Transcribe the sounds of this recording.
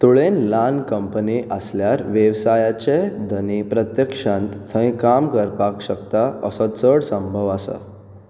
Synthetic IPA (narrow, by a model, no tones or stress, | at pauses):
t̪uɭenlankəmpəniʔəsljaɾʋjeʋsajat͡ɕed̪ənipɾət̪jəkʂãnt̪t̪ʰːə̃ĩkamkəɾpakɕəkt̪aəsət͡səɽsə̃mbʱəʋasa̰